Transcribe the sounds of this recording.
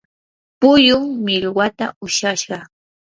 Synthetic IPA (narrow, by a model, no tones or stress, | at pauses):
pʊjʊŋmɪʎwat̪a̰ʊʃaʃɢɑ